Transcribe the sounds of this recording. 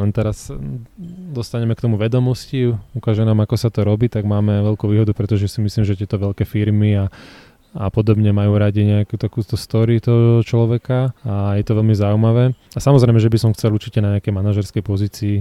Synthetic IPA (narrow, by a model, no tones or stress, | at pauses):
ɛnt̪ɛɾas | d̪ɔst̪aɲɛmɛkt̪ɔmuʋɛd̪ɔmɔsciukaːʒɛnamakɔsat̪ɔɾɔbiːt̪aɡmaːmɛʋɛlkuʋiːɦɔd̪upɾɛt̪ɔʒɛsimisliːmʒɛt̪ɪɛt̪ɔʋɛʎkɛfiɾmia | apɔd̪ɔbɲɛmajuːɾaɟiɲɛakut̪akuːt̪ɔst̪ɔɾit̪ɔɦɔɔt͡ʃlɔʋɛkaajɛt̪ɔʋɛlmizaumaʋɛːasamɔzɾɛɪmɛʒɛbisɔmxt͡sɛluɾt͡ʃicɛnaɲɛakɛjmanaʒɛɾskɛjpɔziːt͡siː